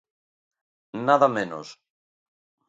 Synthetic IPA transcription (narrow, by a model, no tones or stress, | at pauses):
naðamẽno̰s